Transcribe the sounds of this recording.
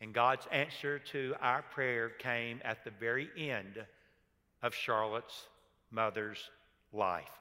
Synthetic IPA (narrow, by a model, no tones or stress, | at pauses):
ɨ̃nɡɑdzæ̃nsə˞ɾɨaʊə˞pʰɹ̥ɛɹkʰẽɪ̃mɨ̰t̪̚ðɨvɛɹiʔɛ̃nd | ʌv̥ʃɑɹlˠəts | mʌðə˞z̥ | la̰ɪf